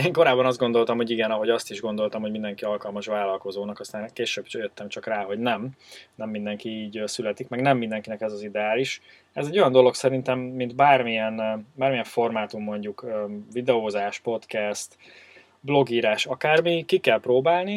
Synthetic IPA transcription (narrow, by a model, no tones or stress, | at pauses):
eːŋko̞ɾaːbːɒnɒzd̪̚ɡo̞nd̪o̞lt̪ɒmho̞ɟiɡɛnɒɦo̞ɟɒst̪iʒɡo̞nd̪o̞lt̪ɒmhoɟmind̪ɛŋkiɒlkɒlmɒʃʋaːlɒlko̞zoːnɒkɒst̪aːnkeːʃøːbjøt̪ːɛmt͡ʃɒkraːɦo̞ɟnɛmnɛmːind̪ɛŋkiiːɟøsylɛt̪ikmɛɡnɛmːind̪ɛŋkinɛkɛzɒzid̪ɛaːliʃ | ɛzɛɟːo̞jɒnd̪o̞lo̞ksɛɾint̪ɛmːind̪baːrmijɛnbaːrmijɛɱfo̞rmaːt̪umːo̞ɲɟukøvid̪ɛoːzaːʃpo̞t̪kɛst̪ | blo̞ɡiːɾaːʃɒkaːrmikikɛlpɾoːbaːlni